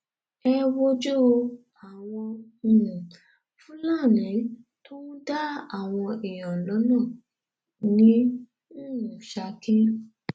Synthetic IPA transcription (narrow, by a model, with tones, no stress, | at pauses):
ɛ˧wo˦d͡ʒo˦˧ | a˨w̃ɔ̃˧˨nũ˨ | fũ˦lã˦˨nĩ˨˦ | to˦nũ˦da˦a˨w̃ɔ̃˧ʔɛ˨jɔ̃˨lɔ˨˦nãː˦˨ | nĩ˦ | ũ˨ʃa˧kĩ˦